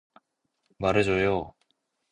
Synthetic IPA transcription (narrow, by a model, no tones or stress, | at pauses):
maɾɯd͡ʑojo